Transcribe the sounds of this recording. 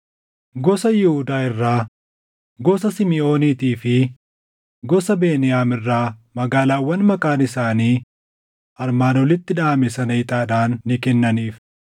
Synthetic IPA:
ɡɔsɐjɪhʊd̪aːɪrːaː | ɡɔsɐsɪmɪo̞ːniːt̪iːfɪ | ɡɔsɐbe̞ːnɪjaːmɪrːaːmɐɡaːlaːwːɐnmɐkʼaːnɪsaːniː | ʔɐɾmaːnɔlɪt̪ːɪᶑaːmɛsɐnɐɪt̪ʼaːᶑaːnːɪkɛnːɐniːf

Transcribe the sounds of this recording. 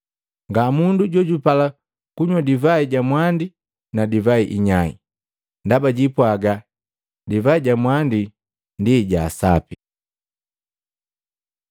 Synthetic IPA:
ŋɡamunduɟɔɟupala | kuɲwadivaiɟamwandi | nadivaiʔiɲaḭ | ndabaɟipwaɡa | divaiɟamwandi | ndiɟaːsa̰pi

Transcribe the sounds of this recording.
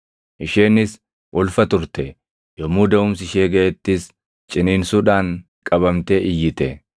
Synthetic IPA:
ʔɪʃeːnːɪs | wʔɔlfɐt̪ʊɾt̪ɛ | jɔmuːd̪ɐʊmsɪʃeːɡɐʔɛt̪ːɪs | t͡ʃʼɪniːnsuːᶑaːŋ | kʼɐbɐmt̪eːʔɪjːɪt̪ɛ

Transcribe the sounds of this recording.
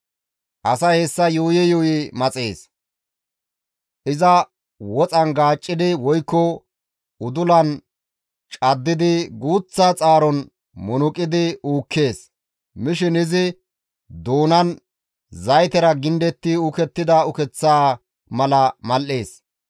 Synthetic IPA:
ʔɐsɐhɛsːɐjuːjɛjʊjɪmɐt͡sʼe̞ːs | ʔɪzɐ | wɔt͡sʼɐnɡaːt͡ʃʼːɪd̪ɪwɔjkːɔ | ʊd̪ʊlɐn | t͡ʃʼɐd̪ːɪd̪ɪɡuːt͡sːat͡sʼaːɾɔn | mʊnʊkʼɪd̪ɪuːkʰːe̞ːs | mɪʃɪnɪzɪ | d̪oːnɐn | zɐjt̪ɛɾɐɡɪnd̪ɛt̪ːɪʊkɛt̪ːɪd̪ɐʊkɛt͡sːaː | mɐlɐmɐlʔːeːs

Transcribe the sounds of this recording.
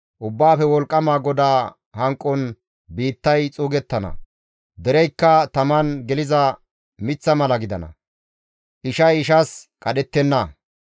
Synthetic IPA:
ʔʊbːaːfɛwɔlkʼːɐmaːɡɔd̪aː | hɐŋkʼːɔn | biːt̪ːɐjt͡sʼuːɡɛt̪ːɐnɐ̰ | d̪ɛɾɛjkːɐt̪ɐmɐnɡɛlɪzɐ | mɪt͡sːɐmɐlɐɡɪd̪ɐnɐ̰ | ʔɪʃɐjɪʃɐskʼɐɗɛt̪ːɛnːɐ

